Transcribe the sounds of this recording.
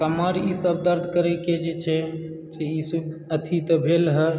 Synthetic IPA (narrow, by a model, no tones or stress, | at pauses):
kəmaɾisəb̚d̪əɾd̪ʱkəɾɛked͡ʒet͡ʃʰɛ | seisuət̪ʰit̪əbʱelɦə